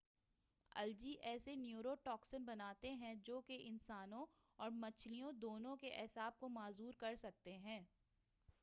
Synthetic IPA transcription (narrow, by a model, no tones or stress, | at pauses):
ɐ̰ld͡ʒiʔɛːsenjuːɾoʈɔːksənbɐnaːt̪eɦɛ̃d͡ʒoːkeʔɪnsaːnõ | ɔːɾmɐt͡ʃʰlijõd̪oːnõkeʔɛsaːb̚komaːzuːɾkɐɾsɐk̚t̪eɦɛ̃ː